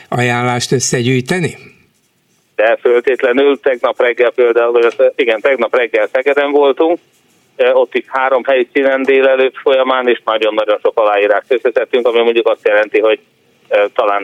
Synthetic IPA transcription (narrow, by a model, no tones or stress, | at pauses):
ɒjaːnlaːʃt̪øsːɛɟyːjt̪ɛni | d̪̥ɛfølt̪eːt̪lɛnylt̪ɛɡnɒprɛɡːɛlpeːld̪aulvɒotiɡɛnt̪ɛɡnɒprɛɡːɛlsɛɡɛd̪ɛɱvo̞lt̪uŋk̚ː | o̞t̪ːiʃhaːɾo̞mɦɛjisiːnɛnd̪eːlɛløːt̪fo̞jɒmaːneːʃnɒɟo̞nːɒɟo̞nʃo̞kɒlaːjiːɾaːʃt̪øsɛt̪ɛt̪ːyŋkɒmimoɲɟukɒst̪jɛlɛnt̪iɦo̞ɟ | t̪ɒlaːn